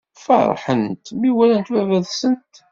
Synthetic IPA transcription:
fɑ̰ɾˤħənt̪miwælænt̪wævæðsənt̪

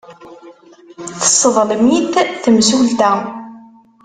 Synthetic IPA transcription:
θə̥sˤːəðˤləmiθθəmsult̪æ

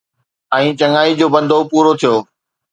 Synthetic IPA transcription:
ɛ̃ːt͡ɕɐŋaːid͡ʑoːbɐ̃nd̪ʱopuːɾot̪ʰijoː

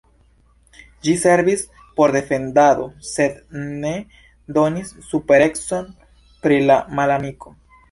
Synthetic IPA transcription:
d͡ʒise̞ɾvis | po̞ɾd̪e̞fe̞ndad̪o̞se̞d̪ne̞ | d̪o̞nisːupe̞ɾe̞kso̞n | pɾilamalaniko̞

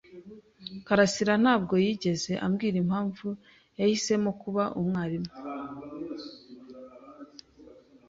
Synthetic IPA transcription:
kaɾasiɾan̥aːbɡo̞jiːɟe̞ze̞ʔamɡiːɾimhaːɱvu | jahise̞mo̞kuβaʔumŋaːɾimŋe

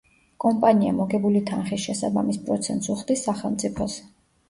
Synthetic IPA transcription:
kʼɔmpʼania̰mɔɡɛbulit̪ʰanχisʃɛsaba̰mispʼɾɔt̪sʰɛ̰nt̪ʼsuχd̪isːaχɛlˠmt̪ʼipʰɔs

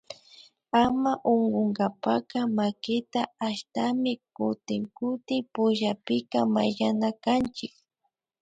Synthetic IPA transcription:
amaʔoŋɡoŋɡapakamakɪt̪aaʃt̪amɪkʊt̪ɪŋkʊt̪ɪpʊʒapɪkama̰ʎanakant͡ʃɪk

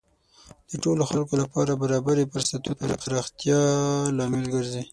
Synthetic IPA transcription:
d̪̥əʈoloxalkolapɑɾabaɾɑbaɾepəɾsat̪up̪aɾqaɾɑxt̪jɑlɑmɪlɡəɾzi

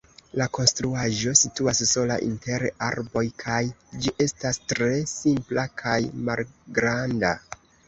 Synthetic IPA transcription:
lako̞nstɾuaʒo̞situasːo̞la̰ʔḭnte̞ɾaɾbo̞jkʰajd͡ʒiʔe̞stastɾe̞simplakʰajmalɡɾanda

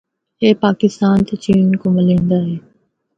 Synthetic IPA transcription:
ɦeːpaːkɪst̪aːnt̪et͡ʃiːnkʊ̃məlẽːnd̪aːɦeː

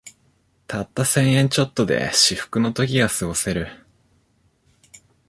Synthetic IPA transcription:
t̪ʰat̪ːasẽ̞ɰ̃ẽ̞ɲ̟t͡ɕo̞t̪ːo̞d̪e̞̰ɕiɸɯ̟̥kɯ̟no̞t̪o̞kʲiɡasɨɡo̞se̞ɾɯ̟

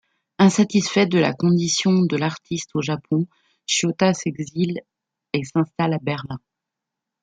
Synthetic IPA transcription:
ɛ̃sat̪isfɛd̪əla̰kɔ̃d̪isjɔ̃d̪əlaʁt̪ʰist̪oʒapʰɔ̃ | ʃjot̪asɛɡzil | esɛ̃st̪alabɛʁlɛ̃

